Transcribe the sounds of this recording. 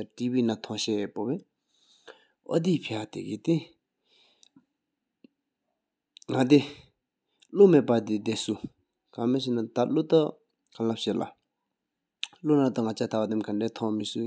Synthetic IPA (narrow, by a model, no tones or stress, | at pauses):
aʈ͡ʂiːwinat̪ʰɔ̃ŋɕɛpopɛ | ʔɔ̰d̪ipʰewat̪ḛit̪e | ŋad̪i | lomeʔpad̪id̪esu | kameɕinat̪alot̪ɔ | kʰalaɕelʔa̰ | lonat̪uŋat͡ɕat̪ʰawad̪amkaɳɖ͡ʐet̪ʰɔ̃misu